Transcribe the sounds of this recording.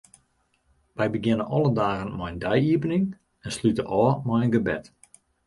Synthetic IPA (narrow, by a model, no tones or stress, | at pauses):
ʋɛjbəɡjɪnənʔɔlˠədaːɣənmɔjndɛjiəpənɪŋ | ɛnslytəʔɔːmɔjənɡəbɛ̰t